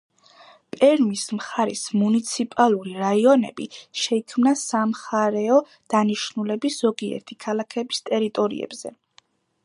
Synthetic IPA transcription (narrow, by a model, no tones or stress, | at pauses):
pʼɛɾmismχaɾḭsmunit̪sʰipʼalˠuɾiɾaiɔnɛ̰bḭʃɛikʰmnasamχaɾɛɔ | d̪̥aniʃnulɛbisz̥ɔɡiɛ̰ɾt̪ʰikʰalˠakʰɛbist̪ʼɛɾit̪ʼɔɾḭɛ̰b̥z̥ɛ̰